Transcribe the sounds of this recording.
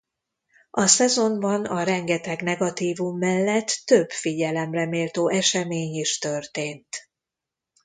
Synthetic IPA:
ʔɒsɛzo̞mbɒnɒɾɛŋɡɛt̪ɛɡnɛɡɒt̪iːvumːɛlːɛt̪ːø̞bfiɟɛlɛmrɛmeːlt̪oːʔɛʃɛmeːɲiʃt̪ørt̪eːnt̪

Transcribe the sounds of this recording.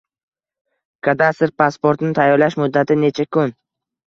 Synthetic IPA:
kʰad̪ast̪ɪɾpʰaspoɾt̪nɪt̪ʰajːɒɾlaʃmʊd̪ːat̪ʰɪne̞t͡ʃʰakʰʊn

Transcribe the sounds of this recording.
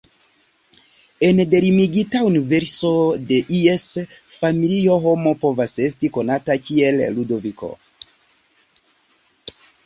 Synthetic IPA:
e̞nde̞ɾimiɡitaunive̞ɾso̞de̞ʔiesfamilio̞ɦo̞mo̞po̞vase̞stiko̞natakie̞lludo̞viko̞̰

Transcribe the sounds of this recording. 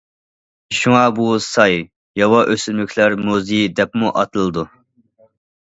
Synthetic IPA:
ʃuŋɑbusɑj | jɑwɑʔøsylmykʲʰlæɾmuzid̪ɛpmuʔɑt̪ʰɨlˠɨd̪u

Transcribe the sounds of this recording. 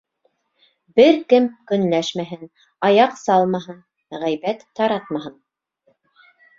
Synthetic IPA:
bɘɾkɘmkɵ̆nlæʃmæɦɘn | ɑjɑqsɑlˠmɑɦɤn | ʁæjβæt̪ʰːɑɾɑt̪mɑɦɤn

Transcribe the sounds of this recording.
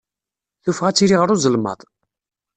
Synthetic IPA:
θufʁæt͡sːiɾiʁəɾˤuzˤəlmə̰ðˤ

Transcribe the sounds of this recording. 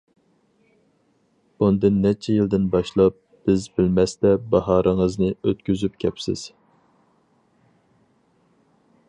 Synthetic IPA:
und̪ɨnːɛt͡ʃʰɛjild̪ɪnbɑʃlˠɑp̚ | b̥ɪzbɪlmɛst̪ɛbɑɦɑːɾʔɨŋəznɨøt̪kʲyzypkʲʰɛpsɪ̰z̥

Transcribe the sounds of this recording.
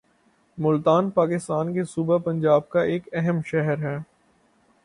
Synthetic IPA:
mʊlt̪aːnpaːkɪst̪aːnkesuːbapɐ̃ɲd͡ʒaːb̚kaʔeːkɛɦɛmʃɛɦəɾɦɛː

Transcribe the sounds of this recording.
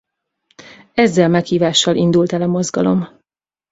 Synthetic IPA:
ɛzːɛlmɛkhiːvaːʃːɒlʔind̪ult̪ɛlɒmo̞zɡɒ̰lo̞̰m

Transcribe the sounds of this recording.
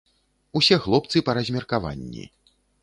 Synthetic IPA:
usʲɛxlˠɔpt̪sɨpɐɾɐzʲmʲɛrkava̰nʲːḭ

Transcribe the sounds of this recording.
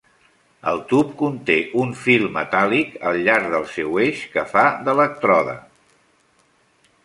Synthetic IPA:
ə̰lˠt̪up̚kunt̪eʔuɱfilˠmət̪alikəlˠʎaɾðəlˠsɛweʃkəfaðələk̚t̪ɾɔðə̰

